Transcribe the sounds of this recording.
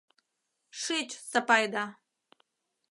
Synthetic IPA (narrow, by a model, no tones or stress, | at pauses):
ʂɨt͡ʃʰʼsapajd̪a